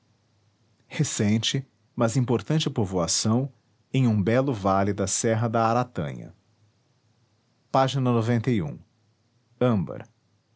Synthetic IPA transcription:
hesẽt͡ʃɪ | mɐzĩpoɾt̪ɐ̃nt͡ʃɪpovoasɐ̃w̃ | ẽj̃ũbɛlʊvalɪd̪ɐsɛɦɐd̪ɐaɾat̪ɐ̰̃ɲɐ̰ | paʒinɐnovẽnt̪ɐiṵ̃ | ɐ̃mbɐ̰ɾ

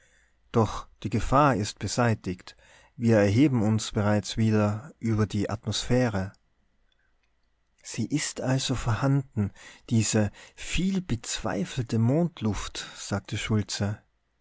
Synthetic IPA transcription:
d̥ɔχd̥iːɡəfaːɐɪst̚b̥əzaɪtɪkt | viːɐɛɐɦeːbm̩ʊnsb̥əʁaɪt͡sv̥iːdɐʔyːbɐdiːʔa̰tmosfɛːʁə | z̥iːʔɪstʔalzofɛɐhandn̩d̥iːzəfiːlbət͡sv̥a̰ɪfl̩təmoːntʰlʊftz̥aːk̚tʰəʃʊlt͡sə

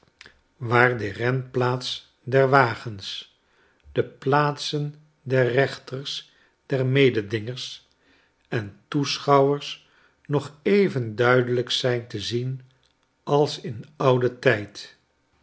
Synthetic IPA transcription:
ʋaːɹdərɛnplaːts | dɛɹʋaːχəns | d̥əplaːtsən | dɛrrɛχtərs | d̥ɛɹmejdədɪŋəɹs | ɛntusχɑwəɹs | nɔχejvəndœɥdələksɛjntəzin | ʔɑlˠsɪnʌwdətɛjt

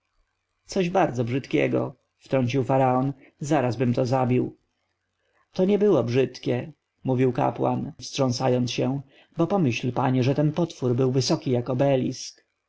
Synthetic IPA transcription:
t̪sɔʑbaɾd̪zɔbʐɘt̪kʲɛ̰ɡɔ̰ | ft̪ɾɔɲt͡ɕiwfaɾaɔn | zaɾazbɘmt̪ɔzabʲiw | t̪ɔɲɛbɘwɔbʐɘt̪kʲɛ | muvʲiwka̰pwa̰nfstʂɔ̃sajɔnt̪sɕɛ | bɔpɔmɘɕlpaɲɛʐɛt̪ɛnpɔt̪fuɾbɘwvɘsɔkʲijakɔbɛlʲisk

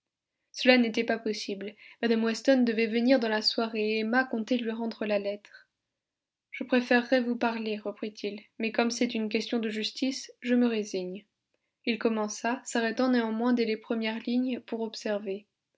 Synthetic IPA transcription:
səlanet̪ɛpapɔsiblmad̪amwɛst̪ɔnd̪əvɛvəniʁd̪ɑ̃laswaʁeɛmakɔ̃t̪elɥiʁɑ̃d̪ʁəlalɛt̪χ | ʒ̥əpχefɛʁːɛvupaʁleʁəpχit̪ʰilmɛkɔmsɛt̪ynk̬ʲɛst̪jɔ̃d̪əʒyst̪isʒəməʁeziɲ | ilkɔmɑ̃sasaʁɛt̪ɑ̃nẽɑ̃mwɛ̃d̪elepχəmjɛʁliɲpuʁɔpsɛʁve

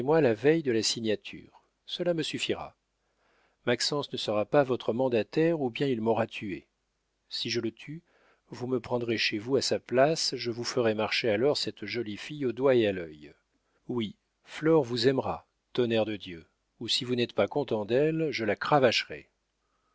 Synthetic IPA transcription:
mwalavɛjd̪əlasiɲat̪ʰy̰ːʁ | səlaməsyfiʁa̰ | maksɑ̃snəsəʁapavɔt̪χəmɑ̃d̪at̪ɛʁubjɛ̃ilmɔʁat̪ʰyḛ | siʒələt̪ʰy | vuməpχɑ̃d̪ʁeʃevuasaplasʒəvufəʁɛmaʁʃealɔʁsɛt̪ʒɔlifijod̪waealœj | wi | flɔʁvuzɛmʁa | t̪ɔnɛʁd̪əd̪jø | usivunɛt̪pakɔ̃t̪ɑ̃d̪ɛlʒəlakχavaʃʁɛ̰

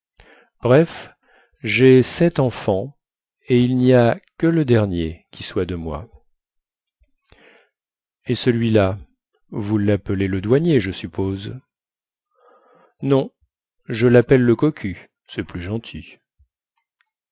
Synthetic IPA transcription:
b̥ʁɛf | ʒesɛt̪ɑ̃fɑ̃ | eilniakələd̪ɛʁnjekʲiswad̪əmwa̰ | esəlɥila | vulːapəleləd̪waɲjeʒəsypoz | nɔ̃ | ʒəlapɛlːəkɔkʲʰy | sɛplyʒɑ̃t̪ʰi

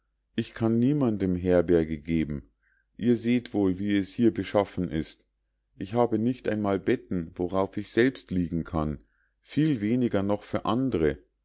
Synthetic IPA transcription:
ʔɪçkʰanːiːmandəmɦɛɐbɛɐɡəɡeːbm̩ | ʔiːɐzeːtv̥oːlviːɛshiːɐbəʃafn̩ʔɪst | ʔɪçhaːbənɪçtʔa̰ɪnmaːlbɛtn̩voʁaʊfɪçz̥ɛlpstliːɡŋ̩kʰan | fiːlveːnɪɡɐnɔχfyːɐʔandəʁə

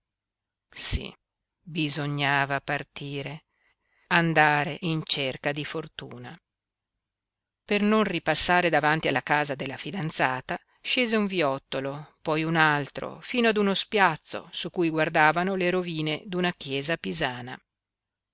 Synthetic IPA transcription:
sḭ | bizoɲːaːvapart̪iːɾe | and̪aːɾeʔint͡ʃerkad̪ifort̪ṵːna | pernonripasːaːɾed̪avant̪ialːakaːzad̪elːafid̪ant̪saːt̪a | ʃeːzeuɱviɔt̪ːolopɔjunalt̪ɾo̰fiːnoad̪unospjat̪sːo̰sukːujɡward̪aːvanoleɾoviːned̪unakjɛːzapizaːna

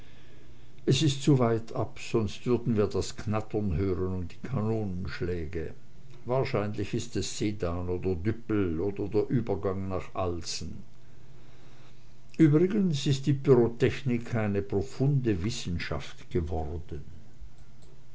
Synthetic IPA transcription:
ʔɛsɪstt͡suvaɪtʰapz̥ɔnstv̥ʏɐdn̩viːɐdasknatɐnɦøːʁənʊmt̚d̥iːkʰanoːnənʃlɛːɡə | vaːɐʃaɪnlɪçɪstɛsz̥eːdaːnoːdɐdʏpl̩oːdɐdeːɐʔyːbɐɡaŋnaːχʔalsn̩ | ʔyːbʁɪɡənsɪst̚d̥iːpyʁotʰɛçnɪkʰːaɪnəpʁ̥ofʊndəvɪsn̩ʃa̰ftɡ̥əvɔʁdən

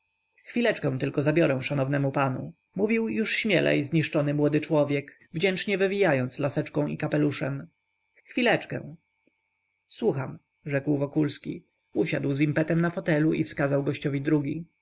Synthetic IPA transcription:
xfʲilɛt͡ʂkɛ̃w̃t̪ɘlkɔzabʲjɔɾɛw̃ʂanɔvnɛmupanṵ | muvʲiwjuʂɕmʲjɛlʔɛ̰izɲiʂt͡ʂɔnɘmwɔd̪ɘt͡ʂwɔvʲjɛk | vd͡ʑɛnt͡ʂɲɛvɘvʲijajɔnt̪slasɛt͡ʂkɔ̃w̃ikapɛluʂɛm | xfʲilɛt͡ʂkɛ̰w̃ | swuxam | ʐɛkwvɔkulskʲḭ | uɕad̪wzimpɛt̪ɛmnafɔt̪ɛluʔḭfskazawɡɔɕt͡ɕɔvʲid̪ɾuɡʲi

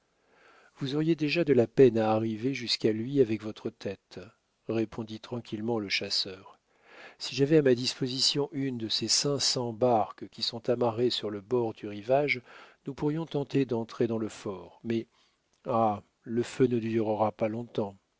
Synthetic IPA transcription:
vuzɔʁjed̪eʒad̪əlapɛnaːʁiveʒyskalɥiavɛkvɔt̪χət̪ʰɛt̪ | ʁepʰɔ̃d̪it̪χɑ̃kʲʰilmɑ̃ləʃasœːʁ | siʒavɛamad̪ispozisjɔ̃ʔynd̪əsesɛ̃sɑ̃baʁkkʲisɔ̃t̪amaʁesyʁləbɔʁd̪yʁivaʒnupuʁjɔ̃t̪ɑ̃t̪ed̪ɑ̃t̪χed̪ɑ̃ləfɔʁmɛ | a | ləfønəd̪yʁəʁapalɔ̃t̪ɑ̃

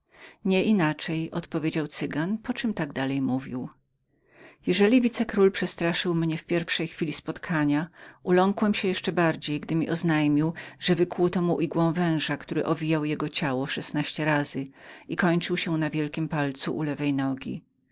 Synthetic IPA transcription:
ɲɛʔinat͡ʂɛjɔ̰t̪pɔvʲjed͡ʑawt̪sɘɡanpɔt͡ʂɨmt̪aɡd̪alɛjmuvʲiw | jɛʐɛlʲivʲit̪sɛkɾulpʂɛst̪ɾaʂɘwmɲɛfpʲjɛɾfʂɛjxfʲilʲispɔt̪kʰaɲaʔulɔŋkwɛmɕɛjɛʂt͡ʂɛbaɾd͡ʑejɡd̪ɘmʲiʔɔznajmʲiwʐ̥ɛvɘkwut̪ɔmuʔiɡwɔ̃w̃vɛ̃w̃ʐakt̪uɾɘ̰ʔɔvʲijawjɛɡɔt͡ɕawɔʂɛsnaɕt͡ɕɛɾazɘikɔɲt͡ʂɘwɕɛnavʲjɛlkʲimpalt̪suʔṵlɛvɛjnɔɡʲḭ

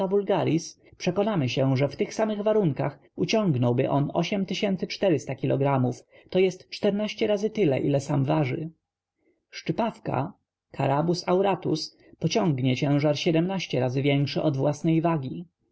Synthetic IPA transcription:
avulɡaɾʲis | pʂɛkɔnamɘɕɛ̃ʐɛft̪ɘxsamɘɣvaɾuŋkax | ut͡ɕɔ̃ŋɡnɔwbɘʔɔnɔ̰ɕɛmt̪ɘɕɛnt̪sɘt͡ʂt̪ɛɾɘst̪akʲilɔ̰ɡɾamuf | t̪ɔjɛst̪t͡ʂt̪ɛɾnaɕt͡ɕɛɾazɘt̪ɘlɛ̰ʔilɛsamvaʐɘ̰ | ʂt͡ʂɘpafka̰ | kʰa̰ɾabusawɾat̪us | pɔt͡ɕɔ̃ŋɡɲɛt͡ɕɛ̃w̃ʐaɾɕɛd̪ɛmnaɕt͡ɕɛɾazɘvʲjɛŋkʂɛʔɔd̪vwasnɛjvaɡʲi

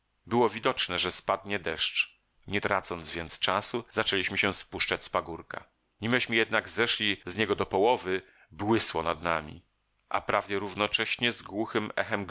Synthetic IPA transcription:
bɘwɔvʲid̪ɔt͡ʂnɛʐɛspad̪ɲɛd̪ɛʂt͡ʂ | ɲɛt̪ɾat̪sɔnt̪zvʲjɛnt̪st͡ʂasuzat͡ʂɛlʲiɕmɘɕɛ̃spuʂt͡ʂat͡ɕʲspaɡuɾka̰ | ɲimɘɕmɘjɛd̪naɡzɛʂlʲizɲɛɡɔd̪ɔpɔwɔvɘ | bwɘswɔ̰nad̪namʲḭ | ʔa̰pɾavdɛɾuvnɔt͡ʂɛɕɲɛzɡwuxɘmɛ̰xɛmɡ

